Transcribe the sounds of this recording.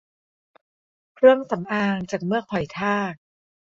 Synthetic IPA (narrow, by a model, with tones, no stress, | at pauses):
pʰɾɯː˥˩əmsa˩˦mʔaː˧ŋt͡ɕaː˨˩k̚mɯ˥˩ɐkʰɔ˨˩jt̪ʰaː˥˩